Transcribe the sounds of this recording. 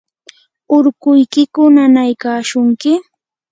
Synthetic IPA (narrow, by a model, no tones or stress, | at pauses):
ʊɾkʊjkɪkʊnanajkaːʃʊŋkɪ